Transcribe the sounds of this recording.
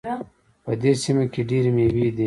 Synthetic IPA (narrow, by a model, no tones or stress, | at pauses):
pɐd̪esimakeɖiɾmewid̪e